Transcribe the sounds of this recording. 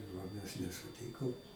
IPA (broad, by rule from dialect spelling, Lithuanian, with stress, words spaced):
oː ˈmʲɛs nʲɛsʊˈtʲiːkoːm